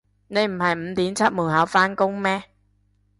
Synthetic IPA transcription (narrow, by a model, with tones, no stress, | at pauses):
ne˧jm̩˨˩hɐ˨˩jm̩˨˥˦t̪iː˨˥mt͡sʰa˦˥t̚muː˨˩ɦa˨˥wfaː˧˥nkʊ˧˥ŋmɛː˦˧˥